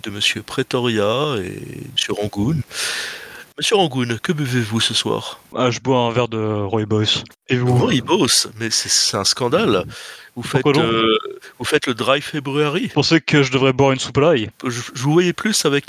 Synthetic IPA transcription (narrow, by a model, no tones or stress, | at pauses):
d̪əməsjøpχet̪ɔʁjaḛməsjøʁɑ̃ɡun | məsjøʁɑ̃ɡunkəbəvevusəswa̰ːʁaʒəbwaɛ̃vɛʁd̪əʁɔibɔsevuɔibosmɛsɛɛt̪ɛ̃skɑ̃d̪alvufɛt̪kwad̪̃ | vufɛt̪ləd̪ʁajfebʁyaʁipuʁsəkəʒəd̪əvʁɛbwaʁynsuplajʒəʒəvuvwajɛplysavɛk